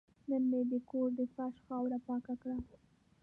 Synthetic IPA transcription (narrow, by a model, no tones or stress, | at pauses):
nənmed̪əkoɾd̪əfaʃxɑwɾapɑkakɽa